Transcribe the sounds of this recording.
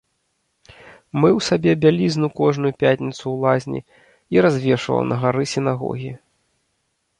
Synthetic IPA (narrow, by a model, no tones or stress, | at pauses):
mɨwsabʲɛbʲalʲizʲnukɔʐnujupʲatʲnʲit̪sulˠazʲnʲḭ | iɾazʲvʲɛʂvɐ̰wnɐɣaɾɨsʲinaɣɔ̰ɣʲi